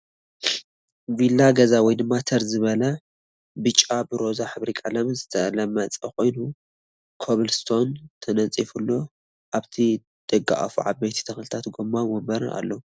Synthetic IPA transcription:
vilːaɡɐzawɔjd̪ɨmːat̪ʰɐɾzɨβɐlɐ | bɨt͡ʃʼːabɨɾo̞zaħɨβɾikʼalɐmzɨt̪ʰɐlɐmːɐt͡sʼɐko̞jnu | kʰoβɨlst̪ʰo̞nt̪ʰɐnɐt͡sʼifulːo̞ | ʔaβt̪ʰi | d̪̥ʼɨɡa̰ʔɐ̰fṵʕa̰bejt̪ʰi̥t̪ʰɐxlɨt̪ʰat̪ɡomːawombɐɾɨa̰lːo

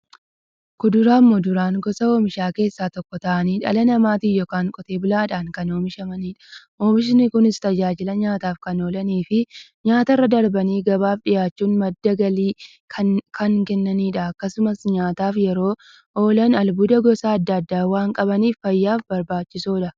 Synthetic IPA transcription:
kʊd̪ʊɾaːmːɔd̪ʊɾaːŋɡɔsɐo̞ːmɪʃaːke̞ːsːaːt̪ɔkːɔt̪ɐʔɐniːᶑɐ̰lɐnɐmaːt̪iːjɔːkaːŋkʼɔt̪e̞ːbʊlaːᶑaːŋkɐno̞ːmɪʃɐmɐniːᶑɐ̥ | ʔoːmɪʃ̬ɪnɪkʊnɪst̪ɐd͡ʒaːd͡ʒɪlɐɲaːt̪aːfkɐno̞ːlɐniːfɪɲaːt̪ɐrːɐd̪ɐɾbɐniːɡɐbaːfᶑɪjaːt͡ʃːuːnmɐd̪ːɐɡɐliː | kʰɐŋkɛnːɐniːᶑɐɐkːɐsʊmɐsɲaːt̪aːfjɛɾo̞ː | ʔo̞ːlɐnɐlbʊd̪ɐɡɔsaːɐd̪ːɐɐd̪ːaːwaːŋkʼɐbɐniːffɐjːaːfbɐɾbaːt͡ʃːɪsoːᶑɐ

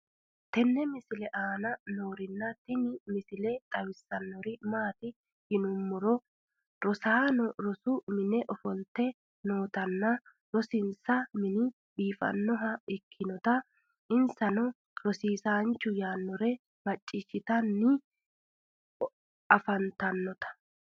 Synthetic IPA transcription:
t̪ɛnːɛmɪsɪlɛʔaːnɐnoːɾɪnːɐt̪ɪnɪmɪsɪlɛt̪ʼɐwɪsːɐnːɔɾɪmaːt̪ɪ | hɪnʊmːʊɾɔ | ɾɔsaːnɔɾɔsʊmɪnɛʔɔfɔlt̪ːɛ | no̞ːt̪ɐnːɐ | ɾɔsɪnsɐmɪnɪ | biːfɐ̰nːɔɦɐɪkʰːɪnɔt̪ɐ | ʔɪnsɐnɔ | ɾɔsiːsaːnt͡ʃːʊjaːnːɔɾɛ | mɐt͡ʃʼːɪʃːɪt̪ɐnːɪ | ɐfɐnt̪ɐnːɔt̪ɐ̥

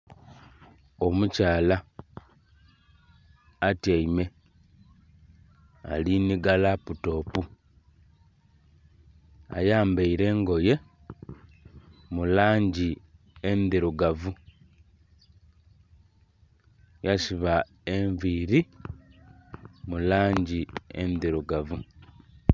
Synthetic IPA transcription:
o̞mucaːla | tjaime̞ | a̰liniɡalaputo̞ːpu | a̰jaːmbeiɾe̞ːŋɡo̞je̞ | mulaːɲɟi | end̪iɾuɡavu | jasiβa | eɱviːɾi | mulaːɲɟiḛndiɾuɡavu

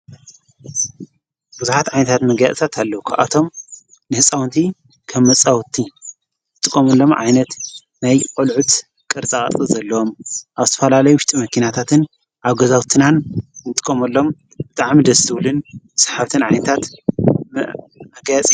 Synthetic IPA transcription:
b̥uzuħat̪ʕajnɐt̪ʰat̪mɐɡja̰t͡sʼt̪ʰat̪ʰalːɐukʰaβʔa̰t̪ʰo̞m | nɨhɨsʼawnt̪ʰi | kʰɐmːɐt͡sʼawt̪ʰːi | nɨt̪ʼɨkʼːomɐlːo̞mʕa̰jnɐt̪ | najkʼɔlʕut̪ | kʼɨɾt͡sʼakʼɐ̰t̪ʼɨzɐlːɐwomʔaβzɨt̪ʰɐfɐlalɐjuwʊʃt̪ʼimɐkʰinat̪ʰat̪ʰɨn | ʔaβɡɐzawt̪ʰinanɨt̪ʼɨ̥kʼːomɐlːo̞m | bɨt̪ʼaʕmid̪ɐzɨt̪ʰɨwlɨnsḁħaβt̪ʰɨnʕajnɐt̪ʰat̪m | mɐɡjat͡sʼiju

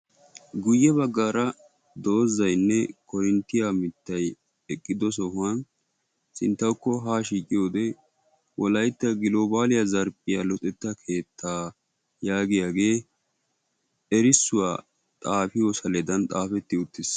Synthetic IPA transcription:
ɡʊjːɛbɐɡːaːɾɐ | d̪o̞ːzɐjnːɛkɔjɪnt̪ːɪjaːmɪt̪ːɐj | ɛkʼːɪd̪ɔs̬ɔhʊan | sɪnt̪ːɐwkːɔɦaːʃiːkʼːɪjo̞ːd̪ɛ | wɔlɐjt̪ːɐɡɪlo̞ːbaːlɪjɐzɐɾpʼɪjalɔt̪ʼɛt̪ːɐkʰe̞ːt̪ʰːaː | jaːɡɪjaːɡe̞ː | ɛɾɪsːʊwa̰ː | t̪ʼaːfɪjosɐlɛd̪ɐnt̪ʼaːfɛt̪ːɪʊt̪ːɪs

